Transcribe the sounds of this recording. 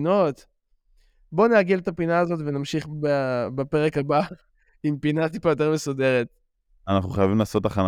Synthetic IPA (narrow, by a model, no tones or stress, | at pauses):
no̞t̪ | bo̞neaɡilet̪apinaːzo̞tvenamʃiχbabape̞ʁekaba | impinat̪̬ipajot̬e̞ʁmesode̞ʁet̚ | anaχnuχajavimlaːso̞t̪aχan